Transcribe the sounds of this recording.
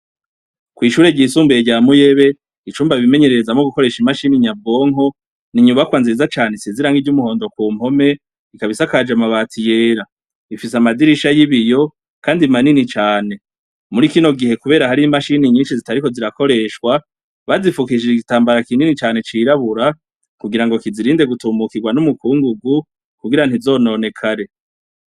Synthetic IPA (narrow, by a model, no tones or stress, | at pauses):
kwiːʃuːɾe̞ɟiːsuːmbeɟaːmuje̞βe̞ | it͡ʃuːmbaβime̞ɲe̞ɾe̞ɾezamoɡuko̞ɾe̞ʃimaʃiniɲabo̞ːŋɦo̞ | niɲuβakwaːnziizat͡ʃaːneseziɾaŋɡid͡ʒɟumuho̞ːndo̞kwuːm̥ho̞me̞ | ikaβisakad͡ʒamaβaːtʰije̞ːɾa | ifisamadiɾiʃajiβijo̞ | kaːndimaninit͡ʃaːne̞ | muɾiːkino̞ɡihe̞kuβe̞ːɾahaɾimaʃiniɲiːnʃizitaɾiko̞ziɾako̞ɾe̞ʃkwa | βazifukid͡ʒiɡitaːmbaɾakininit͡ʃaːne̞t͡ʃiɾaβuɾa | kuɡiɾaŋɡo̞kiziɾiːnde̞ɡutumukiɡwanumukuːŋɡuɡu | kuɡiɾan̥izo̞ːno̞ne̞kʰaɾe̞